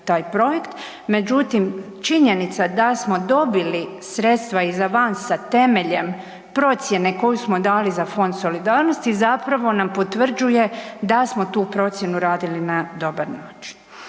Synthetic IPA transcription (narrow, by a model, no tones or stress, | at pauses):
t̪aːjpɾo̞je̞kt̪ | me̞d͡ʑut̪im | t͡ʃiɲe̞nit̪sad̪asmo̞d̪o̞bili | sɾe̞t̪st̪ʋaizaʋansat̪e̞me̞ʎe̞m | pɾo̞t̪sje̞ne̞ko̞jusmo̞d̪aːlizafo̞nd̪so̞lid̪aːɾno̞st̪izapɾaʋo̞nampo̞t̪ʋr̩d͡ʑuje̞d̪asmo̞t̪uːpɾo̞t̪sʲje̞nuɾaːd̪ilinad̪o̞baɾnaːt͡ʃi̥n